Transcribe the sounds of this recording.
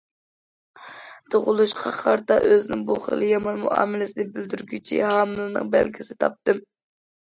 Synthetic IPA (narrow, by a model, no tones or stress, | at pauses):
d̪̥oʁʊlˠuʃqʰɑχʰɑɾt̪ɑʔøzɪnɪŋbuχə̰lˠɨjɑmɑnmṵɑ̰ːmɪlɪsɪd̪ɪbɪld̪yɾɡʲyt͡ʃʰḭhɑːmɨlˠɨnɨ̰ŋbælɡʲʰisɪt̪ʰɑp̚t̪ɨm